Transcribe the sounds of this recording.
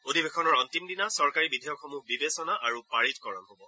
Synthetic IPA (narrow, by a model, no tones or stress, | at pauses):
odʱibexʰɔnɔɹɔntimdinasɔɹkaɹibidʱijɔkxomuɡ̚bibesɔnaʔaɹupaɹitkɔɹɔnɦobɔ